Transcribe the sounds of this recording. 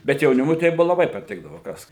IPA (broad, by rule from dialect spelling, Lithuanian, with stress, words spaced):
bʲɛt jɛʊˈnʲɪmʊɪ tɐɪ ˈbʊʋoː lˠɐˈbɐɪ pɐˈtʲɪɡdɐʋoː ˈkɐs